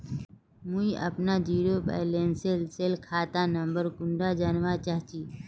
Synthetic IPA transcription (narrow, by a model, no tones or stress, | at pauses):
muiʔɐ̰pnad͡ʒiːɾoba̰ːɪlenselseːlkʰaːt̪anə̃mbəɾkʊ̃ɳɖad͡ʒaːnʋat͡ʃaːɦt͡ʃiː